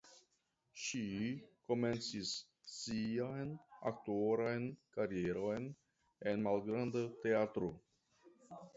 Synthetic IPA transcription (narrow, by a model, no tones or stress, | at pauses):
ʃiko̞me̞nt͡sisː | iajna̰k̚tuoɾajnkaɾie̞ɾo̞jn | e̞nmalɡɾandate̞at̪ɾo